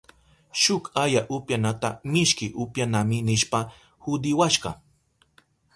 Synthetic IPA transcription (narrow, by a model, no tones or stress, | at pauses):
ʃʊkajaʔʊpjanat̪amɪʃkɪʔʊpjanamɪnɪʃpa | hʊd̪ɪwaʃɢɑ̰